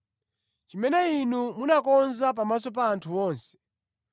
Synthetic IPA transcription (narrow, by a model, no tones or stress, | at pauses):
t͡ʃimɛnɛinumunakɔnzap̬amas̬ɔp̬aːntʰuɔːnsɛ̥